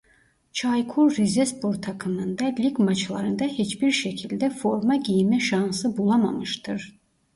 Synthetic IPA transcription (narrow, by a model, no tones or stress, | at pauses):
t͡ʃʰɑjkʰuɾɾizespʰo̞ɾt̪ʰɑkʰɯnɯnd̪ɑlʲiɡmɑt͡ʃlˠɑɾɯnd̪ɑhet͡ʃbiɾʃæcʰild̪æfo̞ɾmɑɟijmɛʃɑnsɯbulˠɑmɑ̰mɯʃt̪ɯɾ̥